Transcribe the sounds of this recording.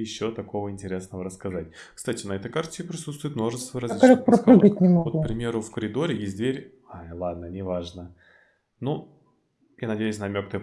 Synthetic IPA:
jɪɕːo̞t̪ɐko̞vəɪnʲtʲɪɾʲe̞snəvəɾəskɐzatʲ | kst̪atʲɪnɐɛt̪əjkart̪ʲɪɪpɾʲɪsut̪st̪vʊɪt̪mnoʐɨst̪vəɾɐzʲliklʲokpɾɐpɾɨɡət̚ʲnʲɪmovopɾʲɪmʲe̞ɾʊfkəɾʲɪd̪o̞ɾʲɪjesʲt̚ʲd̪vʲeɾʲ | ajlˠad̪̚nənʲɪvaʐnə | nu | janɐdʲejʊs̬ʲnɐmʲok̚t̪əə

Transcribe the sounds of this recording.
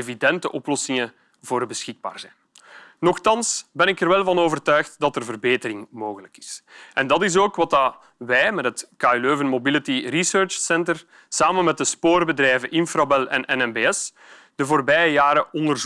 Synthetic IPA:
evidɛntəʔɔplɔsɪŋə | voːrbəsxɪɡ̚ba̰ːrzɛjn | nɔxtɑnsbɛnɪkərʋɛlˠvɑnoːvərtœːxtdɑtərvərbeːtəɾɪŋmoːɣələkɪ̥sʔɛndɑtɪs̬oːkwɑta | ʋɛjmɛtɦətkaløːvənmobɪlətirisøːrt͡ʃsɛntər | saːmənmɛt̚dəspoːrbədrɛːvənʔɪnfrabɛlɛ̰nʔɛnɛnbeːɛs | d̥əvoːrbɛjəjaːɾəɔndərz

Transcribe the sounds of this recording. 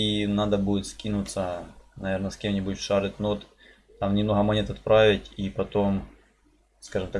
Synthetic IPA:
inad̪ɐbudʲɪt̪skʲinʊt̪sənɐvʲernɐskʲe̞mnʲɪbʊtʲʂaɾɨt̪ʲnot̪ | t̪amnʲɪmno̞ɦɐmɐnʲet̪ɐt̪̚pɾavʲɪtʲipɐt̪o̞m | skaʐɨmt̪a

